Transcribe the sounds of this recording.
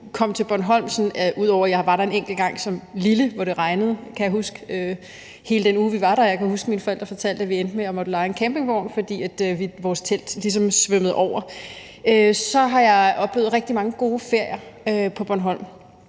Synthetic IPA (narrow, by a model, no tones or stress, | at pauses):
kʰɒ̽m̰t͡sʰe̝b̥ɒnɦɒ̽l̰msnʔuð̞̰ˠɒʊ̰ɐjɑ̈ɪʋɑ̈ɾɑ̈e̝neŋ̰ɡ̥l̩ɡ̥ɑ̈ŋ̰sɒ̽mliləʋɒɾ̥e̝ʁɑ̈ɪnəð̞̩ˠkʰæjɑ̈ɦusɡ̥əø | he̝ːləd̥enuːʋiʋɑ̈ɾɑjɑ̈ɪkʰæhusɡ̥əminfɒ̽eld̥ɐfɒ̽t͡sʰæl̰d̥æʋiend̥əmeɒ̽mɒd̥ulɑ̈ɪenkʰæmb̥e̝ŋʋ̥ɒʊ̰nfɒ̽d̥ḭːæd̥ʋiʋɒːst͡sʰel̰d̥lis̬ɒ̽msʋømð̩ˠʔɒʊ̰ɐ | øsɒ̽ɦɑ̈jɑ̈ɪʔɒ̽b̥le̝ːʊð̩ˠʁɛɡ̥̚d̥imɑ̈ŋəɡ̥o̝ːfe̝ɐ̰jɐøpʰɒ̽b̥ɒnɦɒ̽l̰m